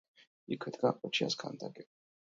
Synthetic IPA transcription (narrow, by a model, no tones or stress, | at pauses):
ikʰwɛd̪ɡaqʼɔt͡ʃʰia̰skʰa̰nd̪aɡɛ